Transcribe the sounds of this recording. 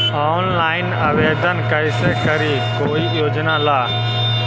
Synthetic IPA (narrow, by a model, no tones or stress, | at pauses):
aːnlaːɪnaːʋeːd̪ənkəɪseːkəɾiː | koːiːjoːd͡ʒnaːlaː